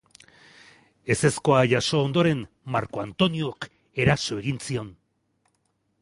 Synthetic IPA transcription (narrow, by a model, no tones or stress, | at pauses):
e̞se̞sko̞aʝaso̞ːnd̪oɾe̞m | maɾko̞ant̪o̞niok | e̞ɾaso̞e̞ɣinsio̞n